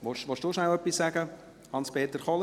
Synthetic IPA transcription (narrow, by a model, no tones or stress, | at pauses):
ʋɔʃʋɔʃd̥ʊʃnaʊœpːisːæːɡə | hɑnspʰeːt̪əɾχɔl